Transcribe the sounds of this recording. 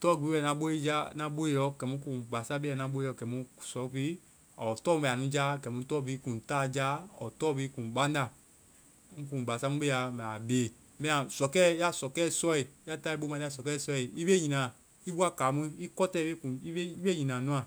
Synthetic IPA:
tɔ˦˨ɡi˨i˦ɛ˨nã˧˦ɓo˦i˦d͡ʒa˦nã˧ɓo˦e˧jɔ˧˦kɛ˨mũ˧˦kũ˨ba˨sa˦be˦a˨nã˨˦ɓo˦e˦˨ɔ˧˨kɛ˨mũ˧˦˨sɔ˨˦fi˦ | a˨ɔ˨tɔː˦mũ˧ɛ˧˨a˨nũ˦d͡ʒa˦˨kɛ˨mũ˧˦tɔː˦˨bi˦kũ˨taː˦˨d͡ʒa˦ɔ̰˨tɔ˦˨vi˦kũ˨bã˦nda˧˨ | ŋ̩̃˦k̬ũ˨ba˨sa˦mũ˦be˦a˨mɛ̃˨a˨beː˨ | mɛ̃˦ã˨sɔ˨kɛ˦ja˦sɔ˨kɛː˦˨sɔ˦i˨ja˦ta˦i˦ɓo˦mã˧i˦a˦˨sɔ˨kɛː˦˨sɔ˦i˨i˦be˦ɲĩ˨nã˨ | i˦bu˦a˦˨ka˨˦mĩ˦i˦kɔ˦tɛ˦˨˦be˦kũ˨i˦e˦i˦be˦ɲĩ˨nã˨nũ˦ã˨

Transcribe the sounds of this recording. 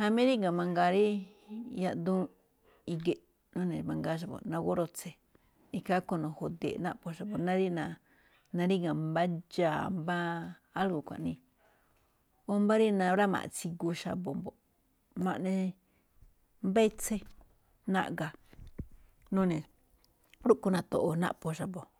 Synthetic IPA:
ha˧mĩ˦ɾi˦ŋã˨mã˧ŋɡa˧ɾi˦ | ja˧ʔ̪d̪ũ˦ | i˧ɡe˧ | nũ˦nẽ˨mã˧ŋɡa˧˦ʃ̬a˧βo̰˨nã˧ɣo˦ɾo˧t͡se˧ | i˧ka˦ko˧nõ˨ho˨d̪ḛ˨nã˦po˧ʃa˧bo˨nã˦ɾi˦nã˧ | nã˧ɾi˦ŋã˨mba˦d͡ʒa˨mbaː˦ | lɡo˨kʷã̰˨ʔnĩ˧ | o˧mba˦ɾi˦nã˧˦βɾa˦mã̰˨ʔt͡si˧ɡu˧ʃa̰˧bo˨mbo˨ | mã˧ʔnẽ˧ | mbe˦t͡se˦ | nã̰˧ʔɡa˨ | nũ˦nẽ˨ | ɾu˦ku˧nã˧t̪o˨ʔo˧nã̰˦po˧ʃa˨bo˨

